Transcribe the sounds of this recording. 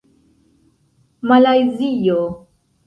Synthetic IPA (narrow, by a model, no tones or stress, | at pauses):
malajzijo